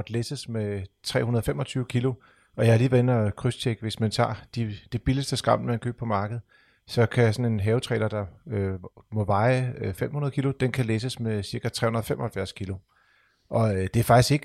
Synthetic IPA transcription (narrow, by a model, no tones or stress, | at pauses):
ɒd̥lesəsmet͡sʰʁɛ̰ːhunɐð̞ˠfemɒ̽t͡sʰyːʊkʰilo̝ | ʔɒ̽jɑ̈liːʋeenɐkʰʁyst͡ɕʰeɡ̥əʋe̝smænt͡sʰɑ̰̈ːd̥id̥e̝b̥iləsd̥əsɡ̥ʁɑ̈m̰mænkʰø̰ːb̥̚pʰɒ̽mɑ̈ːɡ̥əð̞̩ˠ | sɒ̽kʰæjasɒ̽ne̝nɦɛːʊt͡sʰʁɛ̰ːlɐd̥ɑ̈ømɔ̽ʋɑ̈ɪfem̰hunɐðˠkilo̝d̥enkʰælesəsmesiɐɡ̥æt͡sʰʁɛ̰ːhunɐðˠfemʔɒ̽hælfjæɐskʰilo̝ | ʔɒ̽d̥e̝æɐfɑ̈ɡ̥isɡ̥e̝ɡ̥